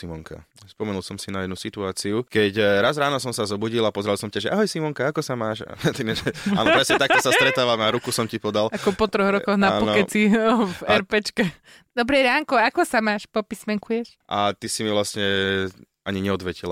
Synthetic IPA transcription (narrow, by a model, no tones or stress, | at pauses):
simɔŋka̰ | spɔmɛnulˠsɔmsinajɛd̪nusit̪uaːt͡siukɛcɾazɾaːnɔsɔmsazɔbuɟilˠapɔzɾalˠsɔmcaʒɛaɦɔjsimɔŋkaakɔsamaːʃa̰t̪inɛʒɛaːnpɾɛsɲɛt̪ak̪̚ɔsasɛt̪ɾɛt̪aːʋamaɾukusɔmcipɔd̪alakɔpɔt̪ɾɔɣɾɔkɔɣnaaɔnɔɛt͡sifɛɾpɛt͡ʃkɛ | d̪ɔbɾɛɾaːŋkɔakɔsamaːʃpɔpismɛŋkujɛʃ | ʔat̪isimiʋlasɲɛ | aɲiɲɛɔd̪ʋɛcila